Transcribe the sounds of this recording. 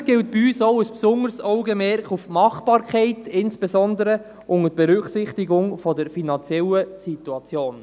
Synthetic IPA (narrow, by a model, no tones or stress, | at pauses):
ɡ̥ɪlt̚b̥iyːsɔʊəspsʊŋəɾsɔʊɡəmɛɾkχufmɑχb̥ɑːɾkχɛɪtɪnsb̥ɛzɔnd̪əɾə | ʔʊŋətb̥ɛɾʏχsɪχtiɡʊŋfɔdəɾfinɑnt͡sɛləsituɑt͡sjoːn